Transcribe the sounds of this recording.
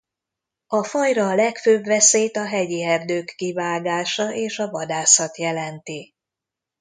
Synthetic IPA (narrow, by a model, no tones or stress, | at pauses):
ɒfɒjrɒlɛkføːbʋɛseːt̪ɒɦɛɟiɛrd̪øːkːivaːɡaːʃɒʔeːʃɒvɒd̪aːsɒt̪jɛlɛnt̪i